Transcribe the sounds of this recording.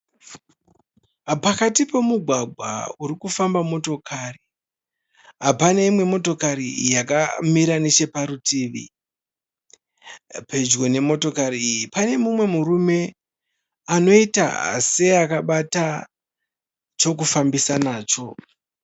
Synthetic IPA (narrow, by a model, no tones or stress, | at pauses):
pakatipe̞muɡʱwaɡʱwa̰uɾikufambamo̞to̞kʰari | ɦapanaimwe̞mo̞to̞kaɾḭjakamiɾanet͡ʃe̞paɾutiːʋḭ | pʰe̞d͡ʒɡo̞ne̞mo̞to̞kaɾiːjipane̞mumwe̞muɾume̞ | ano̞ita̰a̰se̞akaɓata | t͡ʃo̞k̬ufambisanaːt͡ʃo̞